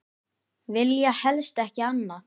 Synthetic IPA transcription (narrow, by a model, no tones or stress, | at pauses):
vɪljahɛlst̪ɛhcɪanːaθ